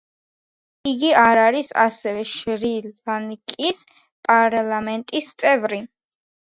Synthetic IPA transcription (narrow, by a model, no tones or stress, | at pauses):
iɡiaɾaɾisa̰sɛvɛʃɾilanikʼis | pʼaɾalˠamɛnt̪ʼist̪sʼɛvɾi